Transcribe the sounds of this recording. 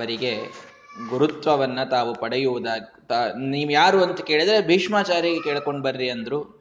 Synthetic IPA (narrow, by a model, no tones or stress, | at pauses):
ɐʋɐɾiɡe̞ | ɡuɾut̪ʋɐʋɐnːɐt̪aːʋupɐɽejuʋud̪aːɡit̪aniːʋjaːɾuɐnt̪ɐke̞ːɭid̪ɾe̞bʱiːʂmaːt͡ʃaːɾjiɡekeːɭko̞ɳɖbɐɾɾiɐnd̪ɾuː